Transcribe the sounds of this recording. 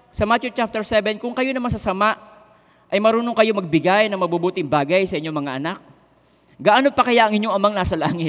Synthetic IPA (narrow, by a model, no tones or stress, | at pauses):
sɐmat͡ʃot͡ʃap̚t̪ɛɹsɛbɛnkʊŋkɐjo̞nɐmɐs̬ɐsɐmaʔ | ʔɐjmɐɾuːnoŋkɐjo̞mɐɡ̚bɪɡajnɐŋmɐbubuːt̪ɪŋbaːɡɐjsɐʔɪɲo̞mɐŋaʔɐnak̚ | ɡaʔanopɐkɐjaʔɐŋɪɲo̞ŋɐmaŋnaːsɐlaːŋɪ